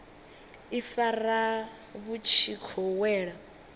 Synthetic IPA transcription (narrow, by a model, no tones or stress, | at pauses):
ifara | βut͡ʃʰikʰɔwɛːɺa